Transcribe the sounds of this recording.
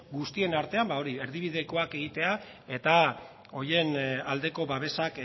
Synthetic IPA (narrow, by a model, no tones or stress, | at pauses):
ɡust̪ie̞naɾt̪e̞ambao̞ɾie̞ɾðiβiðe̞ko̞ake̞ɣ̞it̪e̞a | e̞t̪a | o̞je̞nald̪e̞ko̞βaβe̞sak